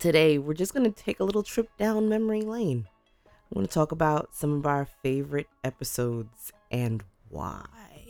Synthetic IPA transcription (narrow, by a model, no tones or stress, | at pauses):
tʰɨɾeɪwɪɹd͡ʒʌsɡ̥ʌnɨtʰeɪkəlɪɾl̩ˠtʰɹ̥ɪp̚d̥ãʊ̃nmɛmə˞ilẽɪ̃ñ | ɡʌ̰nətʰɔkəbaʊtsʌ̃mʌvaʊə˞feɪvə˞ɨɾɛpɨsoʊdz̥ | ʔɨ̃n | wa̰ɪ